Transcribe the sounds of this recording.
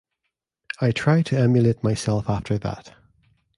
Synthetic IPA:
aɪtʰɹ̥aɪd̚tʰəɛmjəleɪʔ̚maɪsɛlˠfaftʰə˞ðə̰t

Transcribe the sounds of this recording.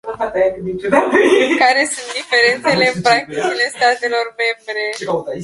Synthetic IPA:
nafat̪ajakɨd̪it͡ʃud̪akaɾe̞sũnt̪̚d̪ife̞ɾent̪sele̞pɾak̚t̪it͡ʃile̞st̪at̪e̞lo̞rme̞mbɾe̞kaut̪a

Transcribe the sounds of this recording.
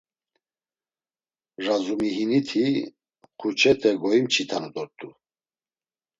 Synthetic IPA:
ʒazumiɦinit̪ʰi | χʰut͡ʃʰɛt̪ʰɛɡɔimt͡ʃʰit̪ʰanud̪ɔɾt̪ʼu

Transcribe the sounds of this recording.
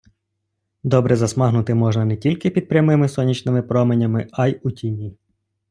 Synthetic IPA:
d̪ɔbɾɛzɐsmɑɦnʊt̪ɪmɔʒnɐnɛtʲilʲkɪpʲid̪̚pɾʲɐmɪmɪsɔnʲit͡ʃnɪmɪpɾɔmenʲɐmɪɑjutʲinʲi

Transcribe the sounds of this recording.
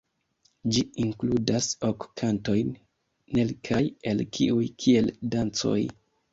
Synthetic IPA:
d͡ʒiiŋkludasokkʰanto̞jnː | e̞lkʰaje̞lkʰḭujkʰie̞ldant͡so̞̰j

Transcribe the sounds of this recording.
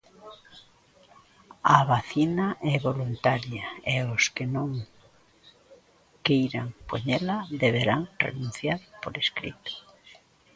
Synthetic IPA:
aβaθinaʔɛβolunt̪aɾjaeoskenõŋ | kejɾaŋpoɲɛlaðeβeɾaŋrḛnũn̟θjaɾpoɾeskɾḭt̪ʊ̥

